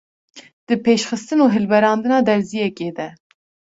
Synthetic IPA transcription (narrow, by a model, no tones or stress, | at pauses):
d̪̥ɨpeːʃxɨst̪ɨnuːɦɨlbɛɾɑːnd̪ɨnɑːd̪ɛɾzijɛkeːd̪ɛ